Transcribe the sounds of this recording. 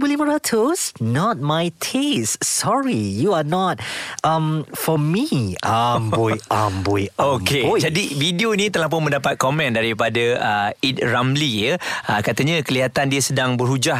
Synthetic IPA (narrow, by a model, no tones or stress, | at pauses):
buliməɹatʰosnɔt̚majtʰessɔɹijuanɔt̚ãmfɔmiamboambojoked͡ʒadividionit̪əlahp̬ʊnmə̃ndapat̪̚kɔmɛ̃ndaɾipadəəit̪̚ramlijəakat̪əɲakəliɦat̪andiəsədaŋbərɦud͡ʒah